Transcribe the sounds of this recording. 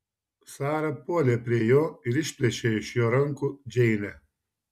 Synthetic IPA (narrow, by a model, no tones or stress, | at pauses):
sɑːɾɐpuɔlʲeːpʲɾʲiɛjoːɪɾɪʃʲpʲlʲɛʃʲeːɪʃjoːɾɐŋkʊd͡ʒʲɛɪnʲɛ